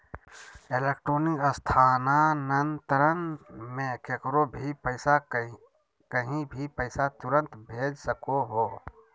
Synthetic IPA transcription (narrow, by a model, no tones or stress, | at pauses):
eleːkʈɾoːnɪkəst̪ʰaːnanənt̪əɾənmẽkʰekɾobʱipəɪsa | kəɦĩbʱipəɪsat̪ʊɾə̃nt̪bʱeːd͡ʒsəkoɦoː